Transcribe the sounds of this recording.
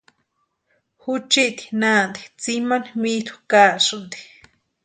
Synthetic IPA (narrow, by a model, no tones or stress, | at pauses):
hut͡ʃiʔt̪i̥naːnd̪i̥t͡simanmit̪u̥kaːʔʂund̪i̥